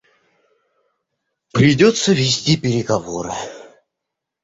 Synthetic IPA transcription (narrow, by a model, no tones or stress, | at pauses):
pɾʲɪdʲot̪səvʲɪsʲtʲipʲɪɾʲɪɡɐvoɾɨ̰